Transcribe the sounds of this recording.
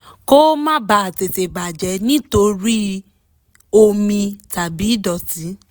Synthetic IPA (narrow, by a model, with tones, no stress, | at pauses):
ko˦mã˦ba˨a˨te˨te˨ɡ͡ba˨d͡ʒɛ˨˦nĩ˦to˧ɾi˦ | o˧mĩ˧ta˨bi˨˦dɔ˨ti˨˦